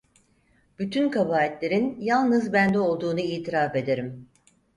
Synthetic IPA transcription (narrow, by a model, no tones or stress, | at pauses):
b̥yt̪ʰynkʰabaːlɛt̪lʲe̞ɾinjalˠnɯzbænd̪ɛo̞lˠd̪uːnuiːt̪ʰiɾaːfe̞d̪e̞ɾim